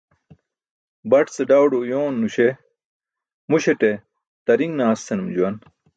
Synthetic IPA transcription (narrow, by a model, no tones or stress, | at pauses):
bɐʈt͡seɖawɖojoːnːuɕe | muɕeʈe | t̪ɐɾiŋɡnaːst̪ʰenumd͡ʑuwɐn